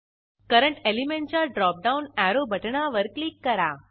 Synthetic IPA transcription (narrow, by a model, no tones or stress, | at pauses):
kəɾəɳʈelimẽɳʈ̚t͡ɕaɖɾɔp̚ɖaunæɾobʱəʈɳaʋəɾklikːəɾa